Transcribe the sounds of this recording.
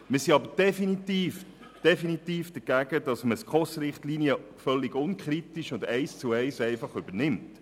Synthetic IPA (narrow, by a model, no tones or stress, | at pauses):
mɪːsiɑbəd̥ɛfinitiːf | d̥ɛfinitiːfd̥əɡ̥æɡ̥ədɑsməskʰɔsɾɪχtliːniə | fœlːɪɡ̥ʊnkʰχʁitiʃʊndɛɪst͡suɛɪsɛɪfɑχʏb̥ənɪmt